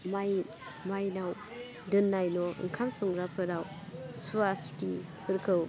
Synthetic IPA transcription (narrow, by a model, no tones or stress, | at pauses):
maj | majnaw | dɯnːajnɔɯ̰ŋkʰamsɔŋɾapʰɯɾaw | suasu̥tipʰɯɾkʰɯw